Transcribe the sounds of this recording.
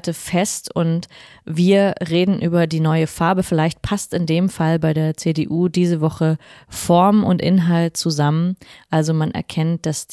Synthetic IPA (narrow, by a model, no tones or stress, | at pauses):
təfɛstʊntviːɐʁeːdn̩ʔyːbɐdiːnɔʏəfaɐbəfɪlaɪçt̚pʰastɪndeːmfalbaɪɾeːɐt͡seːdeːʔuːdiːzəvɔχəfɔɐmʊ̰ntʔɪ̰nɦaltt͡suzamənʔalzomanʔɛ̰ɐkʰɛnt̚d̥as